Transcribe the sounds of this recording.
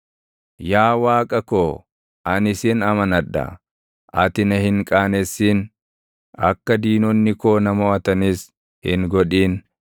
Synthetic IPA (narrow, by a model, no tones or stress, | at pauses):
jaːwaːkʼɐkoː | ʔɐnɪsɪnɐmɐnɐᶑːɐ̰ | ʔɐt̪ɪnɐhɪŋkʼaːnɛsːiːn | ɐ̰kːɐd̪iːnɔnːɪkoːnɐmɐɐt̪ɐniːs | hɪ̰ŋɡɔᶑiːn